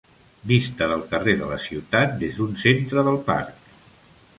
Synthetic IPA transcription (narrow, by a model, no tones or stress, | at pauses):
bist̪əðəlˠkəreðə̰lə̰siwt̪at̪̚d̪ezd̪unsent̪ɾəðəlˠpa̰ɾk